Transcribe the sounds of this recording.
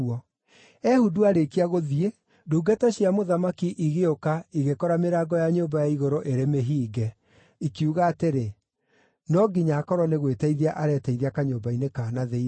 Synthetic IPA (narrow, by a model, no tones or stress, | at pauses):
ɔ | ɛhuduaɾekiaɣoðie | duːɡɛtaɕiamoðamakiʔiɣeokaiɣekɔɾameɾaːɡɔjaɲoːmbajaiɣoɾoʔeɾemeɦiːɡɛ | ikiuɣaːteɾe | nɔɡiɲakɔɾɔneɣwetɛiðiaʔaɾɛːtɛiðiakaɲoːmbainekanaðe